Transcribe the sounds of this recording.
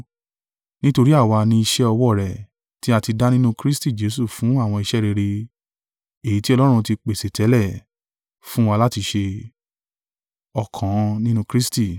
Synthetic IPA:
nĩ˦to˧ɾi˦a˦˨wa˧nĩ˧i˧ʃɛ˦ɔ˧wɔ˦˨ɾɛ˨ | ti˦a˧ti˧da˦nĩ˦nũ˦kɾi˦sti˦˨d͡ʒe˨˦su˦˨fũ˨˦a˦˨w̃ɔ̃˧i˧ʃɛ˦ɾe˧ɾe˧ | e˨i˨˦ti˦ɔ˧lɔ˦ɾ̃ũ˧ti˧k͡pe˨se˨tʰɛ˨˦lɛ˦˨ | fũ˦wa˧la˦ti˧ʃe˧ | ɔ˧kʰã˨˧nĩ˦nũ˦kɾi˦sti˦˨

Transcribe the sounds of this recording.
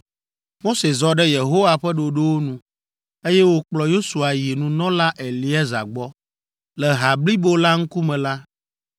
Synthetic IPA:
mo˦se˨zɔ˨ɖɛ˦je˨ɦo˦wa˨ɸɛ˦ɖo˨ɖe˦wo˦nũ˨ | e˦jɛ˦wo˦k͡plɔ˨jo˦su˨a˨ji˨nũ˨nɔ̃˦la˦ʔe˨li˦ɛ˦za̰˨ɡ͡bɔ˦ | lɛ˨ɦa˨bli˦bo˨la˦ŋ̩˦ku˦mɛ̃˨la˦

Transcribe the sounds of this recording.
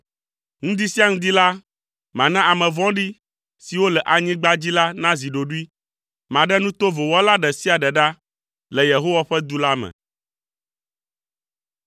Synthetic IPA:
ŋũ˦d̪i˦si˦a˦ŋũ˦d̪i˦la˦ | mã˨nã˦ʔa˨mɛ̃˨vɔ̃˦ɖi˦ | si˨wo˦lɛ˨ʔa˨ɲĩ˦ɡ͡ba˦d͡ʑi˦la˦nã˦zi˨ɖo˨ɖu˦i˦ | mã˨ɖɛ˦nũ˦t̪o˦vo˨wɔ˦la˦ɖɛ˨si˦a˨ɖɛ˨ɖa˦ | lɛ˨je˨ɦo˦wa˦ɸɛ˦d̪u˦la˦mɛ̰̃˨

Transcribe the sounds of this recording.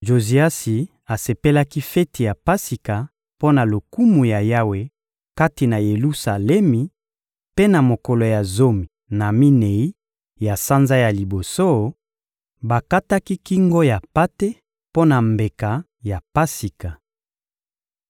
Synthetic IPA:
ʒo˨zi˨a˦si˨ | a˨se˨pe˦la˦ki˦fɛ˦ti˨ja˨pa˦si˨ka˨ | po˦na˨lo˨ku˦mu˨ja˨ja˦we˨ | ka˦ti˨na˨je˨lu˦sa˨lɛ˦mi˨ | pe˦na˨mo˨ko˨lo˨ja˨zo˦mi˨ | na˨mi˦ne˨i˦ | ja˨sa˦nza˦ja˨li˨bo˨so˦ | ba˨ka˦ta˦ki˦ki˦ŋɡo˦ja˨pa˦te˦ | po˦na˨mbe˨ka˨ | ja˨pa˦si˨ka˨

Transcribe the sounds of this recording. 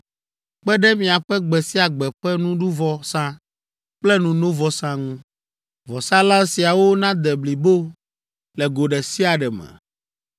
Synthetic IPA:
k͡pɛ˦ɖɛ˦mĩ˨a˨ɸɛ˦ɡ͡bɛ˨si˦a˨ɡ͡bɛ˨ɸɛ˦nũ˦ɖu˦vɔ˦sã˦ | k͡plɛ˦nũ˨nõ˦vɔ˨sã˦ŋũ˦ | vɔ˨sã˦lã˦si˨a˨wo˦nã˦d̪ɛ˨bli˨bo˦ | lɛ˨ɡo˨ɖɛ˨si˦a˨ɖɛ˨mɛ̰̃˨

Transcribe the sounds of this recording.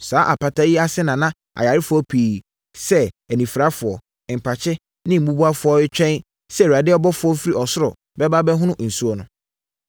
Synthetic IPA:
saː˨˦ʔa˨pʰa˨tʰa˦ji˦a˦sɛ˦nã˨nã˦ | a̰˨ja˨ɾɪ˦fʊ˨ɔ˦pʰiː˨ | sɛ˦ | ɛ˨nĩ˨fɾa˦fʊ˨ɔ˨ | m̩˨pʰa˨t͡ɕʰɪ˦ | nɪ̃˦m̩˨˦ũ˦bu˦a˦fʊ˨˦ɔ˦ɪ˦t͡ɕᶣɛ̃˦n | sɛ˦˨wa˨dɪ˦ɔ˦bɔ˦fʊ˨˦ɔ˦fi˦ɾi˦ɔ˨sʊ˦ɾɔ̰˨ | bɛ˦ba˦bɛ˦ɦʊ̃˦nʊ̃˦ʔn̩˨su˦ɔ˨nʊ̃˨

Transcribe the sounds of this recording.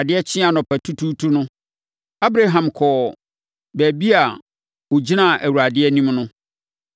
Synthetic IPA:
a˨dɪ˦ɛ˦t͡ɕʰɪ̃˦a˨nɔ̃˨pʰæ˨tʰu˦tʰu˦tʰu˦nʊ̃˦ | a˦bɾa˦ɦã˨mkʰɔː˨ | bæ˨bi˦a˨ | o˨d͡ʑi˦nã˦˨ʔæ˨wu˨ɾa˨dɪ˦ɛ˦nĩ˦mnʊ̃˦

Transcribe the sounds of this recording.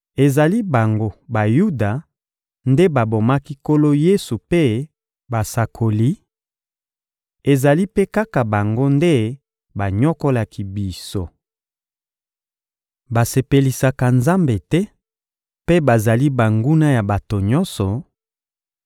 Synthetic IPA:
e˨za˨li˦ba˨ŋɡo˦ba˨ju˦da˨ | nde˦ba˨bo˨ma˦ki˦ko˦lo˦je˦su˨pe˦ | ba˨sa˨kʰo˨li˦ | e˨za˨li˦pe˦ka˦ka˨ba˨ŋɡo˦nde˦ | ba˨ɲɔ˦ko˦la˨ki˦bi˨so˦ | ba˨se˨pe˨li˨sa˨ka˨nza˦mbe˨tɛ˦ | pe˦ba˨za˨li˦ba˨ŋɡu˦na˦ja˨ba˨to˨ɲɔ˦nsɔ˨

